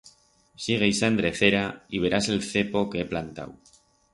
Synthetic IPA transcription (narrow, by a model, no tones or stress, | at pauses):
siɣ̞ejsand̪ɾe̞θe̞ɾaiβe̞ɾase̞lθe̞po̞ke̞eplant̪a̰w